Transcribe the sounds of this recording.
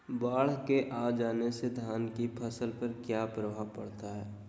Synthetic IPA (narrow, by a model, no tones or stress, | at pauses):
baːɭ̤keʔaːd͡ʒaːnesed̪ʱaːnkipʰəsəlpəɾkjaːpɾəʋaːpɐɽt̪aɦɛː